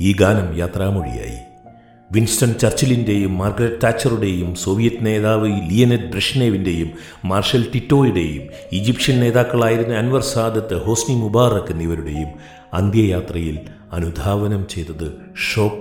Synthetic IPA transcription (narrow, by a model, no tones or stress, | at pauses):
iːɡaːnɐmjaːt̪raːmoɻḭja̰ːjḭ | ʋinstɐɳt͡ɕɐrt͡ɕɐlinde̞jumːɐrɡɾɐt̚taːt͡ɕːɐruɽe̞jumso̞ːʋijɐtːɨne̞ːðaːʋɨlijɐned̚bɾɐʂneːʋinde̞jumː | aːrʂɐltitːo̞ːjuɽe̞jum | id͡ʑipʂɐnne̞ːðaːkːɐɭaːjiɾunːɨɐnʋɐrsaːd̪ʱjɐt̪ːɨho̞ːsnimubaːrɐkːɨnːiʋɐɾuɽe̞̰jum | ɐnd̪jɐjaːt̪rɐjil | ɐnud̪ʱaːʋɐnɐmt͡ɕe̞jt̪ːɐðɨ | ʂo̞ːp